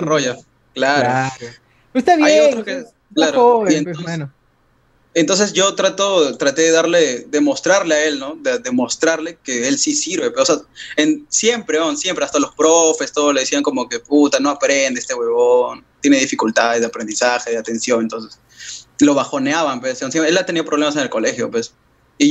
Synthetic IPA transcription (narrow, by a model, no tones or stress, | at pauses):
roʝa | klaɾo | est̪aβjajot̪ɾoske | klaɾooient̪on | ent̪o̞ns̬e̞sʝo̞t̪ɾat̪o̞t̪ɾat̪e̞ðe̞ðaɾleðe̞mo̞st̪ɾaɾleae̞lno̞ðeðemo̞st̪ɾaɾle̞keelsisiɾβe̞peoseaensje̞mpɾeonsje̞mpɾe̞ast̪alo̞spɾofe̞st̪oðole̞ðesiaŋko̞mo̞ke̞put̪ano̞apɾend̪eest̪e̞ɣweβont̪je̞neðifikult̪aðezðeapɾe̞nd̪isaxe̞ðeat̪e̞nsjo̞nŋent̪o̞nses | lo̞βaxo̞neaβampwesonseaelʎːat̪e̞niapɾoβlemas̬e̞ne̞lko̞le̞xjo̞pwes | i